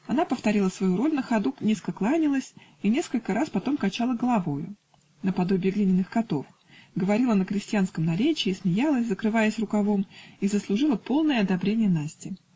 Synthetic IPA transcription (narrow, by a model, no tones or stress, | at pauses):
ɐnapəft̪ɐɾʲilˠəsvɐjuɾo̞lʲnəxɐd̪unʲeskəklˠanʲɪlˠəsʲ | inʲe̞skəlʲkəɾaspɐt̪o̞mkɐt͡ɕalˠəɡəlˠɐvo̞jʊ̰ | nəpɐd̪o̞bʲɪːɡlʲinʲɪnːɨxkɐt̪o̞f | ɡəvɐɾʲilˠənəkɾʲɪsʲtʲɪjanskəmnɐɾʲet͡ɕɪːsmʲɪjalˠəsʲzəkɾɨvajəsʲrʊkɐvo̞mizəslˠʊʐɨlˠəpo̞lˠnəjəɐd̪ɐbɾʲenʲɪjənasʲtʲɪ